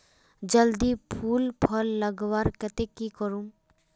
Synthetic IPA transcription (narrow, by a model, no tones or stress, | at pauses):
d͡ʒəld̪ipʰulpʰɔlːəɡbaɾkɛt̪ekikɔɾũm